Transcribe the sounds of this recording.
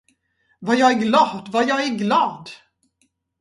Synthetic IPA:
vajɑːɡæɾɡlɑːd̪vajɑːɡæɾɡlɑːd̪

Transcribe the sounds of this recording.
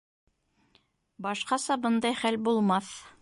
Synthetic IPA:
bɑʃqɑsɑbɤnd̪ɑjχælbulˠmɑθ

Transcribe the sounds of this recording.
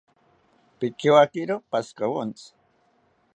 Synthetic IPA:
pɪkewakiɾopaskawont͡s

